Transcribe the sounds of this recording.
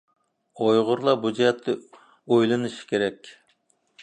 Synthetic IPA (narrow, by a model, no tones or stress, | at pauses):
ojʁʊɾlˠɑbud͡ʒɛt̪ʰːɪ | ojlˠɨnɨʃkʲʰeɾɛkʲ